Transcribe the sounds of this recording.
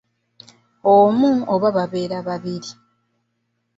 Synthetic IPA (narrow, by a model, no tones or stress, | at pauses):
omuoβaβaβe̞ːɾaβaβiɾi